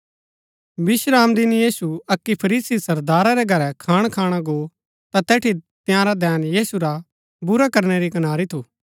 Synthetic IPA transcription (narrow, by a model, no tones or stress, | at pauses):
bɪsɾaːmd̪ɪnjiːsuɐkːipʰɐɾiːsisɐɾd̪aːɾaɾɛɡʱɐɾɛkʰaːɽ̃kʰaːɽ̃aɡoː | t̪at̪ɛːʈʰit̪jãɾad̪ɛːnjiːsuɾa | bʊɾakɐɾɽ̃eɾikɐnaːɾit̪ʰuː